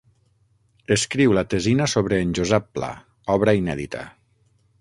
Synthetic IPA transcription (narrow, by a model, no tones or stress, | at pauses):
əskɾiwlat̪əzinasoβɾəːnʲʒozɛpːla̰ | ɔβɾainɛðḭt̪ʰə̰